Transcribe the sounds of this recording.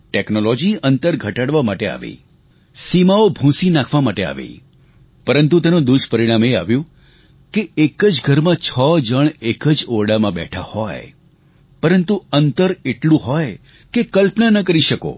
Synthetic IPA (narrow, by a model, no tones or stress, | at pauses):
ʈeknolɔd͡ʒiənt̪əɾɡʱəʈaɽʋamaʈea̰ʋḛ | simaobʱũsinakʰʋamaʈea̰ʋḛ | pəɾənt̪̬ut̪̬enõd̪uʃpəɾiɽ̃amea̰ʋjũ | keekəd͡ʒɡʱəɾmãt͡ʃʰɔd͡ʒəɳekəd͡ʒoɽamãbɛ̰ʈʰahɔj | pəɾənt̪uənt̪əɾeʈlũɦɔj | kekəlpnanək̬əɾiʃəko̰